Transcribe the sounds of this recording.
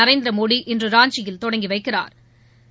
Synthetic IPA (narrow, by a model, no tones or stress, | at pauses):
ɐɾeɪnd̪ɪɾɐmoːɽiʔɪndrɯɾaːɲt͡ʃɪjɪlt̪ɔɽɐŋɡiʋɐɪkːɪra̰ːɾ